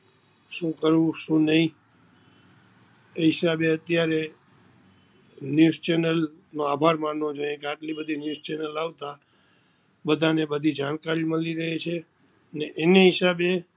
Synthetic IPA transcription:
ʃũkəɾũʃũnəɦĩ | eɦɪsabeət̪jaɾe | njuzt͡ʃenəlnoabʱaɾmanõd͡ʒojẽkeaʈlibəd̪ʱinjuzt͡ʃɛnəlaʋt̪a | bəd̪ʱanebəd̪ʱid͡ʒañkaɾiməliɾəɦet͡ʃʰe | əneʔeneɦɪsabe

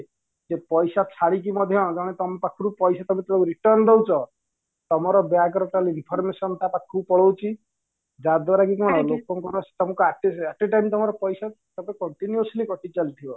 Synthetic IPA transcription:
d͡ʒepɔjsat͡ʃʰaɽik̬imɔd̪ʱjɔ̃d͡ʒaɽ̃et̪ɔmpakʰuɾupɔjsat̪ɔmet̪ɔɽɔuɾiʈɔɾnd̪ewt͡ʃʰɔ | t̪ɔmɔɾɔbjaɡɾɔʈalinpʰɔɾmesɔnt̪apakʰupɔɭowt͡ʃʰi | d͡ʒad̪waɾakikimaɽ̃ɔlokɔŋkɔɾɔst̪ɔmɔkɔaʈeaʈiʈajmt̪ɔmɔɾɔpɔjsa | t̪ɔpekɔɳʈinjuuslikɔʈit͡ʃalt̪ʰibɔ

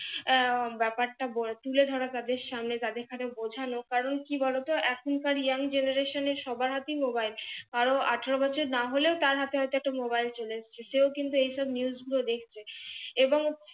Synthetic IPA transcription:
bɛpaɾʈabot̪uled̪ʱɔɾat̪ad̪eɾʃamnet̪ad̪eɾkʰanebod͡ʑʱanokaɾonkibɔlot̪oʔɛkʰonkaɾjaŋd͡ʑenaɾeʃoneɾʃɔbaɾɦat̪imobajlkaɾoʔaʈʰeɾobɔt͡ɕʰoɾnaɦoleot̪aɾɦat̪eɦɔjt̪oɛk̚ʈamobajlt͡ɕolead͡ʑt͡ɕʰeʃeokint̪uejʃɔbniusɡulod̪ekʰt͡ɕʰeeboŋ

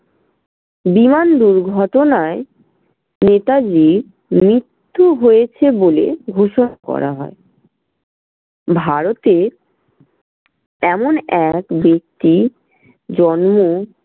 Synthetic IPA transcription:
bimand̪uɾɡʱɔʈonae | net̪ad͡ʑi | mɾit̪ʰːuɦojet͡ɕʰebolḛɡʱoʃonakɔ̰ɾa̰ɦɔe | bʱaɾot̪e | ɛmonɛkbek̚t̪i | d͡ʑɔnmo

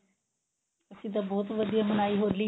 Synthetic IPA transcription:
əsĩːt̪̬ãbɔːt̪ʋəd̪ijaːmənaːiːɦoːɾliː

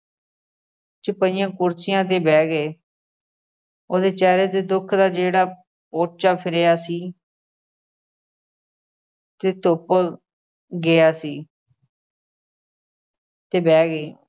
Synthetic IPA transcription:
t͡ʃəpəiːjãːkʊɾsɪjãːt̪̬eːbɛːɡeː | oːd̪eːt͡ʃɛːɾeːd̪eːd̪ʊkʰd̪aːd͡ʒeːɽaː | poːʈt͡ʃaːpʰɪɾejaːsiː | t̪eːt̪ʊp | ɡɪaːsiː | t̪eːbɛːɡeː

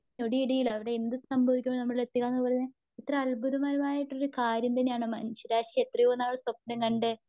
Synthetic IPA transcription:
oɽiiɽɐjiɭɐɐʋiɽe̞end̪ɨsɐmbʱɐʋikʲːumoɭnɐmːɐɭɭet̪ːikːaːnːɨpːɐrɐnːɨ | et̪rɐɐlbʱuðɐmaːɾɐmaːjiʈːo̞ɾukaːɾjɐmt̪ɐnːejaːɳɨmɐnɕɐɾaːɕiet̪rɐijonːaːʋɐɭsɐp̚nɨŋkɐɳɖe

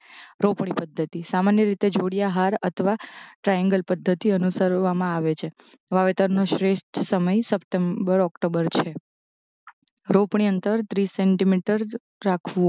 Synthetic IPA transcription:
ɾopɳipəd̪ʱːət̪isamanjəɾit̪ed͡ʒʱoɽijaɦaɾət̪ʰəʋaʈɾajə̃ŋɡəlpəd̪ʱːət̪iənusəɾʋamãaʋet͡ʃʰe | ʋaʋet̪əɾnoʃɾeʃʈ̪səməjsəpʈembəɾɔkʈobəɾt͡ʃʰe | ɾopɳ̃iənt̪əɾt̪ɾiseɳʈimiʈəɾː | akʰʋũ

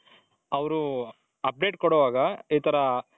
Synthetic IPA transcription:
ɐʋɾu | ɐp̚ɖeʈkɔɽɔʋaːɡɐiːt̪ʰɐɾɐ

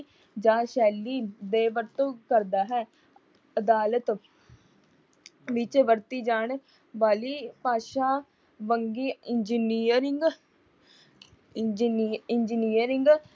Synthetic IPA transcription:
d͡ʒãːʃɛːlːiːd̪eːʋəɾt̪okəɾd̪aːɦɛː | əd̪aːlət̪ | ʋɪt͡ʃʋəɾt̪iːd͡ʒaːɳ | ʋaːliːpaːʃaː | ʋəŋɡiːɪnd͡ʒiːniːəɾɪŋɡ | d͡ʒɪnd͡ʒiːniːəɾɪŋɡ

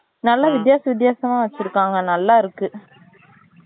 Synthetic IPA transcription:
nɐlːaʋɪd̪̬jaːsɐʋɪd̪̬jaːsɐmaːʋɐt͡ʃːɪɾɯkːaːŋɡɐnɐlːaːɪɾɯkːɯ

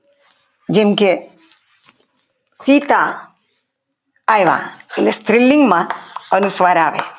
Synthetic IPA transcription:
d͡ʒemke | siːt̪a | jʋã̰elest̪ɾɪlːiŋɡmãənusʋaːɾaːʋḛ

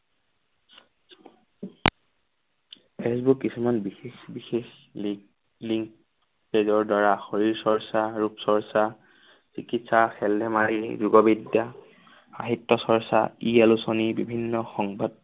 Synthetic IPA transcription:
pʰesbukːisumanbixexbixex | liŋk | pezɔɹdaɹaxoɹiɹsɔɹsaɹupsɔɹsa | sikitsaxɛldʱɛmaɹizuɡɔbidja | xa̰ɦitːɔsɔɹsa̰ielusonibibʱinːɔxɔŋbad

